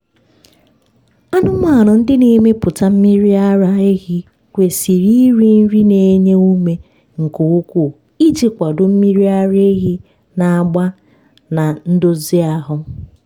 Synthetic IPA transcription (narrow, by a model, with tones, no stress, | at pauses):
a˦nʊ˦m˦a˦˨nʊ˨n̩˦dɪ˦ne˨˦me˦pʊ˨ta˦m̩˦mi˦ɾi˦a˦ɾa˦e˦ɣi˦ | kʷe˨si˨ɾi˦ɾi˦n̩˦ɾi˦ne˨˦ɲe˦u˦me˨ | ŋ̩˨ko˨u˦kʷu˦˨ | i˦t͡ʃe˨kʷa˨dʊ˨m̩˦mi˦ɾi˦a˦ɾe˦ɣi˦ | na˨a˨ɡ͡ba˦ | na˨n̩˦dʊ˦zɪ˦a˨ɦʊ˦